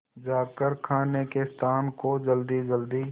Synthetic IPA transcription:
d͡ʒaːkəɾkʰaːnekest̪ʰaːnkod͡ʒəld̪id͡ʒəld̪i

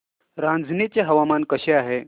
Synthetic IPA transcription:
ɾãnd͡zʱnit͡ɕeɦɐʋamankəɕeaɦe

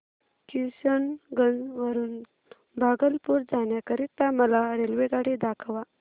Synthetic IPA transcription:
kiɕənɡənd͡zʋəɾuːn | bʱaɡəlpuɾd͡zanjakəɾit̪ːaməlaɾelʋeɡaɽid̪akʰəʋa

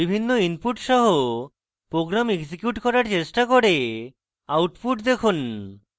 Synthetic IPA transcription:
ibʱinːoinpuʈʃɔɦo | pɾoɡɾamekd͡ʑikjuʈkɔɾaɾt͡ɕeʃʈakoɾe | awʈpuʈd̪ekʰun

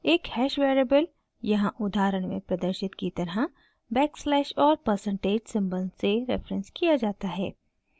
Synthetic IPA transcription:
eːkhɛːʃʋeːɾebəl | jɐɦãʔʊd̪aːɾəɽ̃mḛ̃pɾɐd̪əɾʃɪt̪kit̪ɐɾɦə | bɛːkslɛːʃɔːɾpəɾsə̃ɳʈeːd͡ʒsɐ̃mbə̃nseɾɛ̰ːfɾə̃nskijad͡ʒaːt̪aɦɛ̰ː

